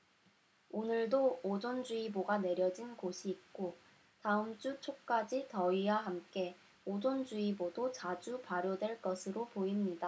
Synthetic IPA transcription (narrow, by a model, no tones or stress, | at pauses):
onɯɭdoːd͡ʑond͡ʑuiboɡane̞ɾjʌd͡ʑinɡoɕʰiːk̚k͈o | taɯmt͡ɕ͈ut͡ɕʰok̚k͈ad͡ʑitʌiwaɦamk͈e̞ | od͡ʑond͡ʑuibodot͡ɕad͡ʑupaɾjodwe̞ɭk͈ʌsʰɯɾopoimɲida